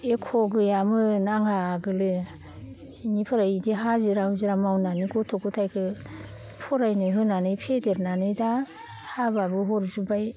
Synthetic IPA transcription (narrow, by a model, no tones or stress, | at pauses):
ekʰoɡɯjamɯnaŋhaɡɯlɯ | nipʰɯɾaidiɦaziɾahuziɾamawnaniɡotʰokɯtʰajkʰɯ | pʰɔɾajnɯɦɯnanɯjpʰedeɾnanɯjda | hababɯɦɔɾzubaj